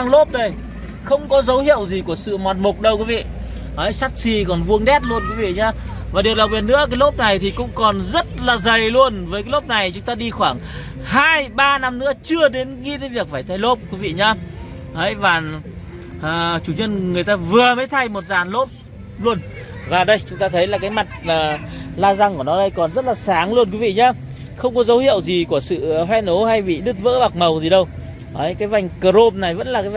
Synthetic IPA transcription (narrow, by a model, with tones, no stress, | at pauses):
a˧ŋlo˦˥p̚ɗə˧˩j | xə˧wŋ͡mkɔ˨˦zə˨˦whḭ˧˨əwzi˨˩ku˧˩əsɨ̰˧˨mɔ˨˩n̚mʊ˨˩k͡p̚ɗə˧wki˨˦vḭ˧˨ | ʔə˨˦jsa˦˥t̚si˧˩kɔ˨˩nvu˧əŋɗɛ˦˥t̚lu˧ənkwi˨˦vḭ˧˨ɲaː˧vaː˨˩ɗi˨˩əla˨˩w̚ɓi˨˩n̚ɨ̰˧˥əkaː˨˦jlo˦˥p̚na˨˩jt̪ʰi˨˩kʊ̰˧˥ŋ͡mkɔ˨˩nzə˦˥t̚laː˨˩zə˨˩jlu˧ənvəː˨˦jk̬aː˨˦lo˦˥p̚na˨˩jt͡ɕʊ˨˦ŋ͡mt̪aː˧ɗi˧xwaː˧˩ŋ | haː˧jɓaː˧na˧mnɨ̰˧˥ət͡ɕɨ˧əɗe˨˦nŋḭ˧˥t̪ə˨˦jvi˨˩ək̚faː˧˩jt̪ʰa˧˩jlo˦˥p̚kwi˨˦vḭ˧˨ɲaː˧ | ʔə˨˦jvaː˨˩ | ʔəː˨˩t͡ɕu˧˩ɲə˧nŋɨ˨˩əjt̪aː˧vɨ˨˩əmə˨˦jt̪ʰa˧jmo˨˩t̚zaː˨˩nlo˦˥p̚ | lu˧ən | vaː˨˩ɗə˧jt͡ɕʊ˨˦ŋ͡mt̪aː˧t̪ʰə˨˦jlaː˨˩kaː˨˦jma˨˩jk̟̚maː˨˩laː˧za˧ŋku˧˩nɔ˨˦ɗə˧jkɔ˨˩nzə˦˥t̚laː˨˩saː˨˦ŋlu˧ənkwi˨˦vḭ˧˨ɲaː˧ | xə˧wŋ͡mkɔ˨˦zə˨˦whḭ˧˨əwzi˨˩ku˧˩əsɨ̰˧˨ɦwɛ˧no˨˦ha˧jɓḭ˧˨ɗɨ˦˥t̚və̰ː˧˥ɓa˨˩k̚mə˨˩wzi˨˩ɗə˧w | ʔə˨˦kaː˨˦jva˨˩jŋ̟kə˨˩ɾo˧p̚na˨˩jvə̰˧˥nlaː˨˩kaː˨˦˨